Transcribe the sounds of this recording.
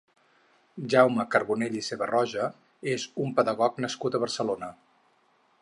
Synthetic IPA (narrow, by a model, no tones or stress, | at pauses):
ʒawməkəɾβuneʎiseβərɔʒə | ezumpəðəɣɔknəskut̪əβərsəlonə